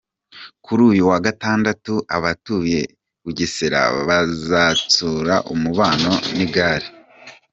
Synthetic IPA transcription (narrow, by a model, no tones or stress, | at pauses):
kʰuɾuːjuwaɡataːndatuʔaβatuje̞ | kuɟiseɾa̰βazat͡suːɾaʔumuβaːno̞niɡaːɾi